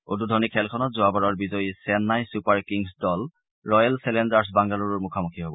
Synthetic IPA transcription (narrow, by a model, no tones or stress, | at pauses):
odudʱɔnikʰɛlkʰɔnɔtzoabaɹɔɹbizɔjisɛnːajsupaɹkiŋsdɔl | ɹɔjalsɛlɛndaɹs̬baŋɡaluɹɔɹmukʰamukʰiɦobɔ̰